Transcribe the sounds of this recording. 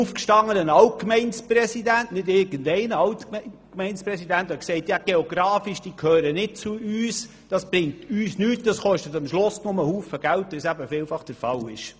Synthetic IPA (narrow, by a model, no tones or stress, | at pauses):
ufkʃtɑŋːənənɑlt̚kmɛɪnsprɛsidæntnɪdɪːɾɡ̥əndɛɪnəɑltkkmɛɪnspɾɛsidænt̪ɛksɛɪtjɑɡ̥eoɡ̥ɾɑːfiʃd̥iːkʰøːɾənɪt̚t͡suyːs | d̥ɑsb̥ɾɪŋtyːsnyːtd̥ɑsχɔʃtət̪ɑmʃlʊsnʊməhuːfəɡ̥æltːəsæbəfɪːlfɑχd̥əɾfɑlɪʃ